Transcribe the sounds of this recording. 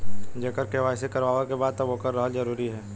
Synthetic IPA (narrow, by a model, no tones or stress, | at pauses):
d͡ʒeːkəɾkeʋaːɪsekɐɾʋaːʋakebaːd̪̚t̪ɐʋokɐɾːɐɦəlzɐɾuːɾiɦɛː